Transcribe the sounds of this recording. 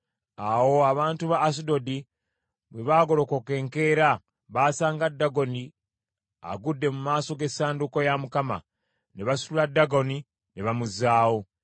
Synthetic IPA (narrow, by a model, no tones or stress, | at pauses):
awo̞aβaːntuβaːsido̞di | βweβaːɡo̞lo̞koke̞ːŋke̞ɾa | βaːsaːŋɡadːaɡo̞ni | a̰ɡudːe̞mumaːso̞ɡe̞sːaːnduko̞jamukama̰ | ne̞βasululadːaɡo̞ni | ne̞βamuzaːwo̞